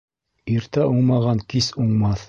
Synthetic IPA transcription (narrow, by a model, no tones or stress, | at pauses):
iɾt̪æʔuɴmɑʁɑŋkisuɴmɑθ